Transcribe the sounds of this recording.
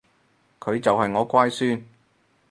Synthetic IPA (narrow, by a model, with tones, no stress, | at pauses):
kʰɵ˨˧ɥt͡sɐ˨whɐ˨jŋɔː˨˧˥kʷaː˥jsyː˥n